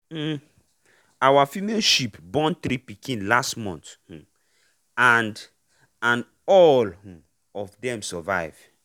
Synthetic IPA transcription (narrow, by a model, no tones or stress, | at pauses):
awafimelʃipbɔ̃ntɾipikĩnlastmɔ̃nth̩ | ãnd | ãn | ɔl̃ | ɔvdɛ̃msɔvaɪv